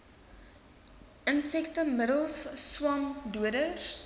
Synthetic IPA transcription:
ənsɛktəmədəlˠsːwɑmduədər

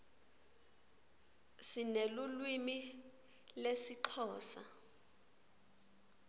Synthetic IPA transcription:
sinelulwimi | lesiǃʰɔːsa

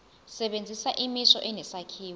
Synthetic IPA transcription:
sɛɓend͡zʱisaʔimisɔʔɛnɛsakʰiːw

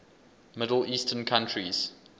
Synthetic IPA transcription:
mɪdəl̩iːˑstʰənkʰãntʰɹiz̥

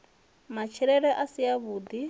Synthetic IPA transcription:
mat͡ʃʰiɺɛɺɛʔasijaβuːd̪i

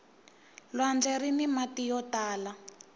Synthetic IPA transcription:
lwand͡ɮɛɾinimatijɔtaːla

